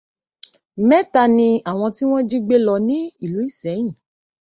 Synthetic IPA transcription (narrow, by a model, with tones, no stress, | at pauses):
mɛ̃˦ta˦˧nĩ˧a˨w̃ɔ̃˧ti˦w̃ɔ̃˦d͡ʒi˦ɡ͡be˦lɔ˧nĩ˦i˦˨lu˨˦i˦˨sɛ˨˦j̃ĩ˦˨